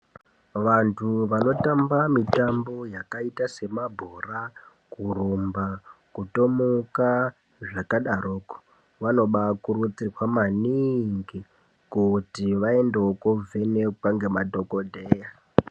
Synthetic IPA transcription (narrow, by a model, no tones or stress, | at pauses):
ʋantʰuʋano̞tambamitambo̞jakaitase̞mabʱura | kurumbakuto̞muka | ʐakaɗaɾoːko̥ | ʋano̞ɓakurut͡sikwamaniŋɡi | kutiʋae̞ndeokovʱene̞kwaŋɡe̞madʱo̞ko̞dʱeːja